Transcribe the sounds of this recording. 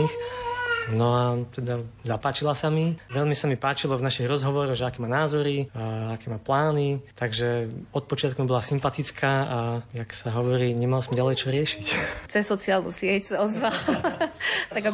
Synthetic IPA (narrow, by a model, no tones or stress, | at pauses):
ix | nɔat̪ɛd̪azapaːt͡ʃilasamiʋɛʎmisamipaːt͡ʃilɔvnaʃiɣɾɔzɦɔʋɔɾɔɣʒɛakɛːmaːnaːzɔɾiakɛːmaːplaːnit̪aɡʒɛɔt̪̚pɔt͡ʃɪat̪̚kumibɔlasimpat̪it͡skʰaːʔajaksaɦɔʋɔɾiːɲɛmalsɔmɟalɛjt͡ʃɔɾɪɛʃict͡sɛsːɔt͡sialnṵsɪɛcsaɔzʋal | t̪aɡa